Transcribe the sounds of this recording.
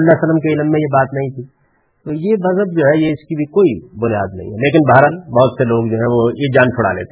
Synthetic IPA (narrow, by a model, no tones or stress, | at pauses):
lːasələmkeɪlmːẽjebaːt̪nɐɦĩt̪ʰiː | t̪oːjeʋɐzəbd͡ʒoːɦɛjeɪskibʱikoːibʊnija̰ːd̪nɐ̰ɦḭ̃ɦɛleːkɪnbaɦɾəlbɐɦʊt̪seloːɡd͡ʒoːɦɛ̃ʋojed͡ʒaːnt͡ʃʰʊɽa̰lḛːt̪e